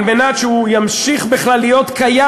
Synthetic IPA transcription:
nvenaʃujamʃiχbiχlalːijo̞t̪kaja

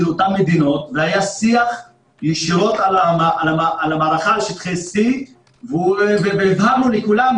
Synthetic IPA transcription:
lot̪amːed̪ino̞t̪veajasiaχ | jiʃiʁo̞t̪alamaalamaalamaːʁaχalʃet̪χesi | vuveveivhanulikulam

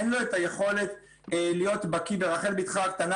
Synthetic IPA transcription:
enlo̞et̪ajeχo̞le̞t̪ | lijo̞t̪bakibeʁaχelbit̪χakt̪ana

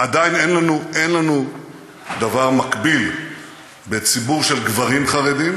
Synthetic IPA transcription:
ʔad̪ajnenlanuʔe̞nlanu | d̪avaʁmakbil | be̞t͡sibuʁʃelɡvaʁimχaʁed̪im

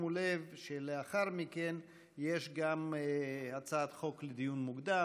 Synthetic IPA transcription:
mulevʃeleaχaʁmiken | jeʃɡamhat͡saat̪χo̞kled̪ijunmuɡd̪a

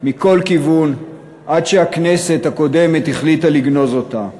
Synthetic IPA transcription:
miko̞lkivun | ʔadʃehakne̞se̞thako̞de̞me̞thiχlitaliɡno̞zo̞ta

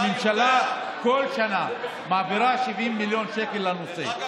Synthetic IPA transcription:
mimʃala | kolʃana | maːbiɾaʃivʔimːiljonʃekelːanosḛ

